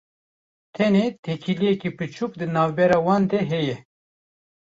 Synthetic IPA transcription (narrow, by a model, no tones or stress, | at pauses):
t̪ʰɛnet̪ʰekʰiliɛkipɨt͡ʃʰuːkd̪ɨnɑːvbɛɾɑːwɑːnd̪ɛɦɛjɛ